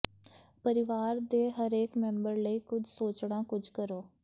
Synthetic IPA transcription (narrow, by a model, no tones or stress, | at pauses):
pəɾɪʋaːɾd̪eːɦəɾeːkmɛ̃mbəɾləiːkʊd͡ʒsoːt͡ʃɽãːkʊd͡ʒkəɾoː